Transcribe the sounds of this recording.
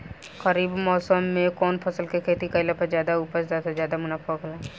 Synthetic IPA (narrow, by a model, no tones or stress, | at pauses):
kɐɾiːbmɔːsəmːẽkɔːnpʰɐsəlkekʰeːt̪ikɐɪlapəzjaːd̪auːpəzat̪ʰazjaːd̪amʊnaːfʰokəlaː